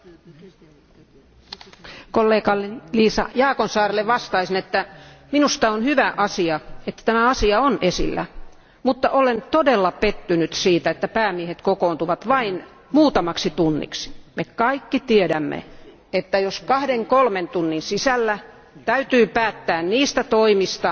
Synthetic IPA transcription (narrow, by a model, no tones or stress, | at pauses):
kolːeːkɑlːeliːsɑ̰jɑːkonsɑːrelːeʋʋɑst̪ɑisinet̪ːæminust̪ɑonhyʋæʔɑsiɑet̪ːæ̥t̪æmæɑsiɑonesḭlːæ̰ | mut̪ːɑʔolent̪odelːɑpet̪ːynyt̪siːt̪æet̪ːæpæːmiehet̪kokoːˑnt̪uʋɑt̪ʋɑin | muːt̪ɑmɑksit̪unːḭksi̥mekɑikːit̪iedæmːḛ | et̪ːæjoskɑhdeŋkolment̪unːinsisælːæ | t̪æyt̪yːpæːt̪ːæːnniːst̪æt̪oimist̪ɑ